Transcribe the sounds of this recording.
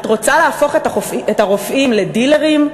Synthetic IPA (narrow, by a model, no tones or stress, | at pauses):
tʁo̞t͡saleafo̞χetaoietaʁofʔimle̞dile̞ʁim